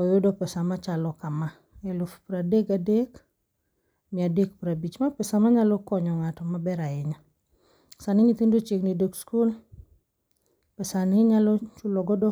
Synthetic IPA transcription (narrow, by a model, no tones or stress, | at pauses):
ɔjodɔpɛsamat͡ʃalɔkama | ɛlʊfpɾadeɡadek | mɪadek̚pɾabit͡ʃmapɛsamaɲalɔkɔɲɔŋatɔmabɛɾaɪɲa | sanɪɲit̪indot͡ʃɪknidokskul | pɛsanɪɲalɔt͡ʃulɔɡɔdɔ